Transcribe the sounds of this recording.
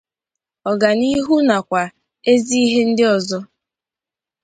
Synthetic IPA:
ɔ˨ɡa˨ni˦ɦu˦na˨kʷa˨ | e˦zi˦i˦ɦe˦n̩˦dɪ˦ɔ˨zɔ˦

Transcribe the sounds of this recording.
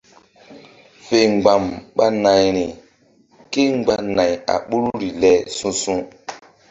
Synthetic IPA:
fe˨ŋ˨ɡ͡ba˨mɓa˦na˨jɾi˨ | ke˦ŋ˦ɡ͡ba˨na˨ja̰˨ɓu˦ɾu˦ɾi˨lɛ˨˦sũ˦sũ˦

